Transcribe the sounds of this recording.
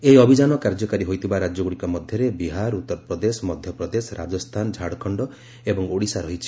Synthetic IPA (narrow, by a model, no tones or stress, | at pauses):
eiɔbʱid͡ʒanɔkaɾd͡ʒɔkaɾiɦojt̪ʰibaɾad͡ʒjɔɡuɽikɔmɔd̪ʱjɔɾebiɦaɾut̪ːɔɾɔpɾɔd̪esɔmɔd̪ʱjɔpɾɔd̪esɔɾa̰d͡ʒɔst̪ʰand͡ʒʱaɽkʰɔɳɖɔ | ebɔŋoɽisaɾɔɦit͡ʃʰi̥